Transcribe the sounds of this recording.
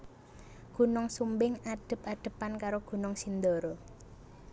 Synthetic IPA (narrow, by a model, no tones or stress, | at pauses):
ɡ̥ṳnɔŋsumbɪŋaɖ̥ə̤p̚aɖ̪̥ə̤pankaɾoɡ̥ṳnɔŋsind̪oɾo